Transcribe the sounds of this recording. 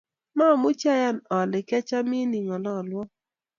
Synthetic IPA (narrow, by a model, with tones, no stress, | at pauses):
ma˦˨mʊ˦t͡ʃa˦ja˦˨nɔ˨lɪ˨kɛ˦t͡ʃa˦mi˦ni˨ŋɔ˨lɔ˦˨lwɔ˦